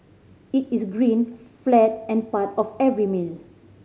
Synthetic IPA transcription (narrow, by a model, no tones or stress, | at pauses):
itisɡɹĩnflɛt̚ɛ̃npatɔfɛvɹimil